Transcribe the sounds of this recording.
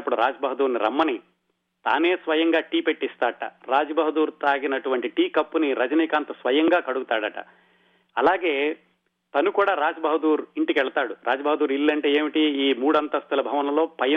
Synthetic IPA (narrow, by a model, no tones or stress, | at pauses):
ɐpːuɽuɾaːd͡ʒɐbɐɦɐd̪uːɾniɾɐ̰mːɐni | t̪a̰ːne̞ːsʋɐjɐŋɡaːʈiːpe̞ʈːist̪aːʈɐ̰ɾaːd͡ʒɐbɐɦɐd̪uːɾt̪aːɡinɐʈuʋɐɳʈiʈiːkɐpːuniɾɐd͡ʒɐniːkaːnt̪ɐsʋɐjɐŋɡaːkɐɽuɡut̪aːɽɐʈɐ̰ | ɐlaːɡe̞ː | t̪ɐnukuːɽaːɾaːd͡ʒɐbɐɦɐd̪uːɾiɳʈikʋɛɭɐt̪aːɽuɾʔaːd͡ʒɐbɐɦɐd̪uːɾilːɐɳʈeːeːmiʈiiːmuːɽɐnt̪ɐst̪ʰɐlɐbʱɐʋɐnɐlo̞ːpɐjɐ